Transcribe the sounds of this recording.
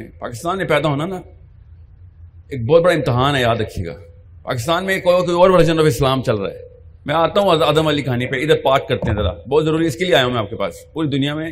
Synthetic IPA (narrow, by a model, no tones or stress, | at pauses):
pa̰ːkɪst̪aːnːẽpɛːd̪aɦoːnana | eːk̚bɔːt̪bɐɽaɪ̃mt̪ɪɦaːnɦɛjaːd̪ɾɐkʰːijḛɡa̰ː | pa̰ːkɪst̪aːnmẽkokoiɔːɾbʱɐɽd͡ʒənɔːfɪslaːmt͡ʃɐlɾa̰ːɦɛ̰ː | mɛ̃aːt̪aɦũɐɐd̪əmalikaːnipeɪd̪əɾpaːɾkːɐɾt̪ẽɦɛ̃zɐɾa̰bɔːt̪zɐɾuːɾiɪskelieaːjaɦũmɛ̃aːp̚kepa̰ːspuːɾid̪ʊnijamẽ